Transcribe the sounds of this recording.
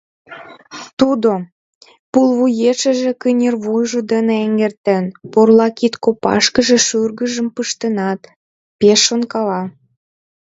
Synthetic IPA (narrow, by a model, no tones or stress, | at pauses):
t̪ud̪o | pulβujeʃə̆ʒĕkynʲerβujʒod̪əneeŋɡert̪ənporlɑkit̪kopɑ̰ʃkəʒĕʃyrɣə̆ʒə̆mpəʃt̪ənɑt̪ | peʃːonkɑlɑ